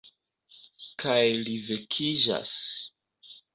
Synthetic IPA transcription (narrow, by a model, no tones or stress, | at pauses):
kʰajlivekʰid͡ʒa̰s